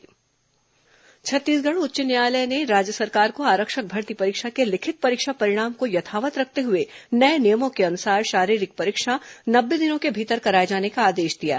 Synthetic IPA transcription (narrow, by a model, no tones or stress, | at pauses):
t͡ʃʰɐt̪ːiːsɡɐɽ̃ʊtːʃɪnjaːləjneɾaːd͡ʒjəsɐɾkaːɾkoaːɾəkʃək̚bʱɐɾt̪ipɐɾɪːkʃakelɪkʰɪt̪̚pɐɾɪkʃapɐɾɪɽ̃aːmkojɐt̪ʰaːʋət̪ɾɐk̚ʰt̪eɦʊenɐenijəmõkeɐnʊsaːɾʃaːɾiːɾɪk̚pɐɾɪkʃanɐbːed̪ɪnõkebʱiːt̪əɾkɐɾaːed͡ʒaːnekaaːd̪eːʃd̪ija̰ː